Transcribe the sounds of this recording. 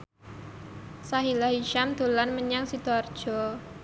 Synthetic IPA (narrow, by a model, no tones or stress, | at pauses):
saɦilaɦiʃamd̪̥o̤lanməɲaŋsid̪̥oard̥ʒ̥ɔ̤